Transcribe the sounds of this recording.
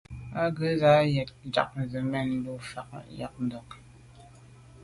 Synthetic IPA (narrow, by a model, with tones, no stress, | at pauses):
a˦ɡə˨˦za˨˦jɛ˨t̚d͡ʒa̰˨k̚n̩˨zə˨mɛ˦˨n̩˦du˦fa˨k̚ja̰˨k̚n˨dɔ˨k